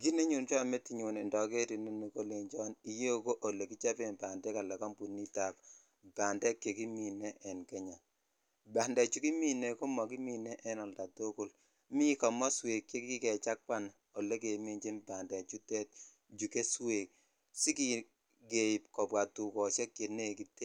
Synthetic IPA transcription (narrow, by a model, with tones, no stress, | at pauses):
ɡi˦ne˦ɲu˨nt͡ʃɔ˦˨me˦ti˨ɲu˨nɪ˨ndɔ˨ke˦ti˨ne˦ni˨ko˦le˨ŋd͡ʒɔ˦ni˨je˦ko˦ʔo˨le˨ki˦t͡ʃa˦pe˦˨nba˨ndɛ˦ka˨lɛ˨kɔ˦mpu˨ni˦ta˨p | ba˨ndɛ˦kːje˨ki˦mi˨ne˦ʔɛ˨nkɛ˦ɲa˨ | ba˨ndɛ˨t͡ʃu˦ki˦mi˦ne˨ko˦mɔ˨ki˦mi˦ne˦ʔɛ˦nɔ˨lda˨to˦ku˦l | mi˦kɔ˨mɔ˦swe˨kje˦ki˦kɛ˨t͡ʃa˦k̚pa˦n | o˨le˦k̬e˨mi˦ɲd͡ʒe˦mba˨ndɛ˨t͡ʃu˦tɛ˦t̚ | d͡ʒu˨ke˦swe˨k̚ | si˦ki˦ | ɡe˨pkɔ˨bwa˨tu˨kɔ˨ʃe˦kːe˨ne˦˨ki˨te˦